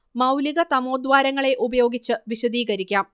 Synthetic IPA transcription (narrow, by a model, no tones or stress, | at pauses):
mɐwliɣɐt̪ɐmo̞ːd̪ʋaːɾɐŋːɐɭe̞ʔubɐjo̞ːɡit͡ɕːɨʋiɕɐd̪iːɣɐɾikʲːaːm